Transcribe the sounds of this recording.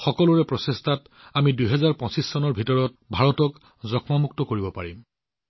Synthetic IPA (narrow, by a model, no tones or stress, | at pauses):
xɔkɔlʊɹɛpɹɔsestʰat | amiduɦɛzaɹpɔ̃nsisːɔnɔɹbʱitɔɹɔt̚ | bʱaɹɔtɔk | zɔkʰmamuk̚tɔkoɹibɔpa̰ɹim